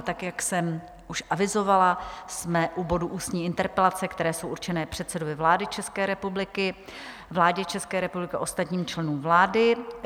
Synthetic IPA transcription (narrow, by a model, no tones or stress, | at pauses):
t̪akjaksɛm | ʔuʃʔavɪzo̞valasmɛʔubo̞duʔuːst̪ɲiːɪnt̪ɛɾpɛlat͡sɛkt̪ɛɾɛːso̞wʔuɾt͡ʃɛnɛːpr̝̥ɛt̪sɛdovɪvlaːdɪt͡ʃɛskɛːɾɛpublɪkɪ | vlaːɟɛt͡ʃɛskɛːɾɛpublɪkɛʔo̞st̪at̪ɲiːmt͡ʃlɛnuːmvlaːdɪ